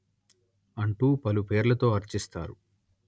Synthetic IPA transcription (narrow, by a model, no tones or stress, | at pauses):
ɐɳʈuːpɐlupe̞ːɾlɐt̪o̞ːɐɾt͡ʃist̪a̰ːɾu